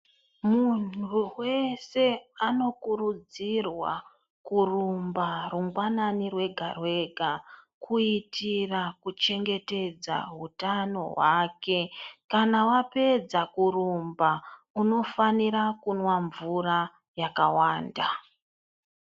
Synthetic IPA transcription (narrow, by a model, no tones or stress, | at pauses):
munʰuwe̞se̞ano̞kuɾud͡zirwa̰ | kurumbaruŋɡwananirwe̞ɡʱarwe̞ɡʱa | kʰuitirakut͡ʃe̞ŋɡe̞te̞d͡za̰ɦutano̞̰ɦwake̞kanawape̞d͡zakuɾumba | uno̞faniɾakunwaɱvura | jakawaːnda